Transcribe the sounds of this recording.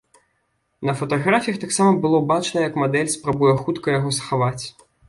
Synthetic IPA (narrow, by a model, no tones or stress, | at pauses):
nɐfɐt̪aɣɾafʲijɐxt̪aksamɐbɨlˠɔbat͡ʂnɐjɐkmad̪ɛlʲspɾabujɛxut̪kɐjaɣɔsɐxavat͡sʲ